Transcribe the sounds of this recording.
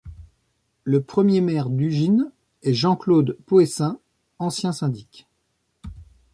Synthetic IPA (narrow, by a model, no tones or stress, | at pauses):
ləpχəmjemɛʁd̪yʒin | ɛʒɑ̃klod̪poesɛ̃ | ɑ̃sjɛ̃sɛ̃d̪ikʲ